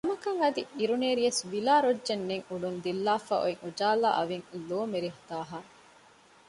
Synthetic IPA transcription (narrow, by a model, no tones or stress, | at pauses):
nɐmɐkɐŋɐd̪iʔiɾuneːɾijɐsʋilaːɾodːenːeŋuɖund̪ilːaːfa̰ʔo̰eŋud͡ʒaːla̰ːʔɐʋiŋloːmeɾiɦu̥t̪aːɦaː